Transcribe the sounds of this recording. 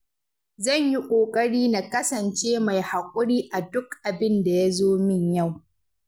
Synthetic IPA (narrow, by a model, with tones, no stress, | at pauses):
zɐ˦˨ɲji˦kʷʼoː˨kʼɐ˦ɽiː˦na˨kɐ˦sɐ˨nt͡ʃeː˦ma˨jha˨kʷʼʊ˦ɽiː˦ʔa˨dʊ˦kʔa˨bɪ˦nda˨ja˦zoː˦mɪ˦˨ɲja˦˨w